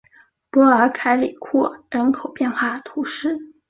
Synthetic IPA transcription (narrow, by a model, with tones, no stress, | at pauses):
pwɔ˧˥ə˞˧˥kʰa˥ɪli˨˩kʰɔ˥˩ɻə˧˥nkʰo˨˩ʊpjɛ˥˧nxwa˥˩t̪ʰu˧˥ʂɻ̩˥˩